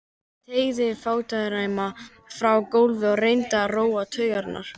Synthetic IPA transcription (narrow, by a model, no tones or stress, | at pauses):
t̪ʰeːjɣðɪfaːwt̪aðɾaːjma | fɾawkowlvɪɔrejnt̪aroːwat̪ʰœːɥɣaɾt̪nʔa̰ɾ̥